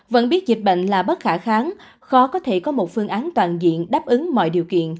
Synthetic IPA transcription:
və̰˧˥nɓi˦˥ət̚zi˨˩k̚ɓə̰˧˨ŋ̟laː˨˩ɓə˦˥t̚xaː˧˩xaː˨˦n | xɔ˨˦kɔ˨˦t̪ʰe˧˩kɔ˨˦mo˨˩t̚fɨ˧əŋʔaː˨˦nt̪waː˨˩nzḭ˧˨ənɗaː˦˥p̚ʔɨ˨˦ŋmɔ̰˧˨jɗi˨˩wkḭ˧˨ən

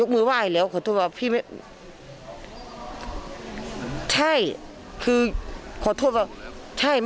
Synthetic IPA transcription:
jo˦˥k̚mɯː˧˥˨waː˧˥˩lɛː˦˥wkʰɔː˧˩t̪ʰoː˧˥˩t̪̚waː˧˩pʰiː˧˩m˧˥ | t̪ʰa˧˥˩j | kʰɯː˧kʰɔː˨˩t̪ʰoː˧˩˨t̚waː˧˩ | t̪ʰa˧˥˩j

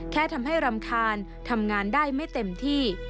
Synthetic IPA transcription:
kʰɛː˥˩t̪ʰa˧mɦa˥˩jɾa˧mkʰaː˧n | t̪ʰa˧mŋaː˧ndaː˥˩jma˥˩jt̪e˧mt̪ʰiː˥˩

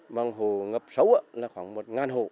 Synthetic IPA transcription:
ma˧ŋɦo˨ŋə˦p̚sa˨˦wa˧na˧kʰwa˨˦ŋmo˧t̚ŋa˧nɦo˨

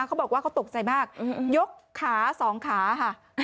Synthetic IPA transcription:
kʰa˦˥bɔː˨˩k̚waː˥˩kʰa˦˥wt̪o˨˩k̚t͡ɕa˧jmaː˥˩k̚ʔjo˦˥kʰːaː˩˦sɔː˩˦ŋkʰaː˩˦kʰa˥˩

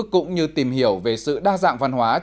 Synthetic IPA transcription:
kʊ̰˧˥ŋ͡mɲɨ˧t̪i˨˩mhi˧˩əwve˨˩sɨ̰˧˨ɗaː˧za̰ː˧˨ŋva˧nɦwaː˨˦

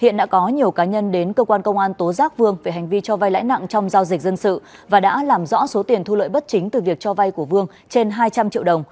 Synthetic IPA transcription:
hḭ˧˨ənɗa̰ː˧˥kɔ˨˦ɲi˨˩əwkaː˨˦ɲə˧nɗe˨˦nkəː˧kwaː˧nkə˧wŋ͡mʔaː˧nt̪o˨˦zaː˦˥k̚vɨ˧əŋve˨˩ɦa˨˩ŋ̟vi˧t͡ɕɔ˧va˧jla̰ː˧˥jna̰˧˨ŋt͡ɕɔ˧wŋ͡mzaː˧wzï˨˩k̟̚zə˧nsɨ̰˧˨vaː˨˩ɗa̰ː˧˥laː˨˩mzɔ̰˧˥so˨˦t̪i˨˩ənt̪ʰu˧lə̰ː˧˨jɓə˦˥t̚t͡ɕï˨˦ŋt̪ɨ˨˩vi˨˩ək̚t͡ɕɔ˧va˧jku˧˩əvɨ˧əŋ | t͡ɕe˧nɦaː˧jt͡ɕa˧mt͡ɕḭ˧˨əwɗə˨˩wŋ͡m

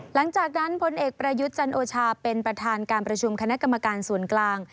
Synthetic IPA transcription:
la˩˦ŋt͡ɕaː˨˩k̚na˦˥npʰo˧nʔeː˨˩k̚pɾa˧ju˦˥t̪̚t͡ɕa˧nʔoː˧t͡ɕʰaː˧pe˧npɾa˧t̪ʰaː˧nkaː˧npɾa˧t͡ɕʰu˧mkʰa˧na˦˥ʔka˧mːa˧kaː˧nsu˨˩˦ənklaː˧ŋ

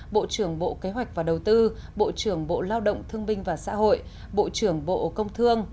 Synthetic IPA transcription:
ɓo̰˧˨t͡ɕɨ˧˩əŋɓo̰˧˨ke˨˦ɦwa˨˩jk̚vaː˨˩ɗə˨˩wt̪ɨ˧ɓo̰˧˨t͡ɕɨ˧˩əŋɓo̰˧˨laː˧wɗə̰˧˨wŋ͡mt̪ʰɨ˧əŋɓï˧ŋ̟vaː˨˩sa̰ː˧˥ɦo̰˧˨j | ɓo̰˧˨t͡ɕɨ˧˩əŋɓo̰˧˨kə˧wŋ͡mt̪ʰɨ˧əŋ

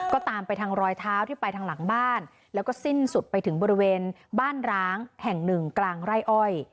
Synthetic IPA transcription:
kɔː˥˩t̪aː˧mpa˧jt̪ʰa˧˥ŋɾɔː˧jt̪ʰaː˦˥wt̪ʰiː˥˩pa˧jt̪ʰa˧˥ŋla˩˦ŋbaː˥˩n | lɛː˦˥wkɔː˥˩si˥˩nsu˨˩t̪̚pa˧jt̪ʰɯ˩˦ŋbɔː˧ɾi˦˥weː˧n | baː˥˩nɾaː˦˥ŋhɛ˨˩ŋnɯ˨˩ŋklaː˧ŋɾa˥˩jʔɔ˥˩j

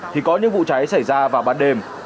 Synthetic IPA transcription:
t̪ʰi˨˩kɔ˨˦ɲɨ̰˧˥ŋvṵ˧˨t͡ɕa˨˦jsa˧˩jzaː˧vaː˨˩wɓaː˧nɗe˧m

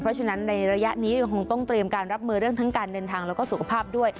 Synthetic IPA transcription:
pʰɾɔ˦˥t͡ɕʰa˧na˦˥nːa˧jɾa˧ja˦˥ʔniː˦˥ja˧ŋkʰo˧ŋt̪ɔ˥˩ŋt̪ɾi˧əmkaː˧nɾa˦˥p̚mɯː˧ɾɯ˥˩əŋt̪ʰa˦˥ŋkaː˧ndɤː˧nt̪ʰaː˧ŋlɛː˦˥wkɔː˥˩su˨˩kʰa˧pʰaː˥˩p̚du˥˩əj

